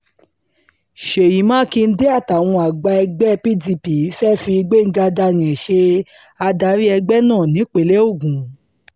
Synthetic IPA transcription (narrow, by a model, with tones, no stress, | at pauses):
ʃe˨ji˨˦mãː˦ki˧n̩˦de˦a˦˨ta˨w̃ɔ̃˧a˨ɡ͡ba˧ɛ˧ɡ͡bɛ˦pi˦di˧pi˨˦fɛ˦fi˧i˧ɡ͡be˦˨ŋ̩˦ɡa˧da˧nĩ˨ʃe˧ | a˧da˧˦ɾi˦ɛ˧ɡ͡bɛ˦nãː˦˨nĩ˨˦k͡pe˨le˦o˦˨ɡũ˨